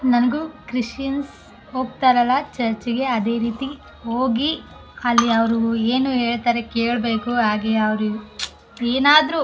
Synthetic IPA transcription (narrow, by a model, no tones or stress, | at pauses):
nɐnɐɡukɾiʂjɐns | o̞ːɡ̚t̪aːɾɐlːɐt͡ʃɐɾt͡ʃiɡe̞ɐd̪e̞ːɾiːt̪i | ɦo̞ːɡi | ɐlːiɐʋɐɾueːnuɦe̞ːɭt̪aːɾe̞ke̞ːɭbe̞ːkuɦaːɡeɐʋɐɾu | eːnaːd̪ɾu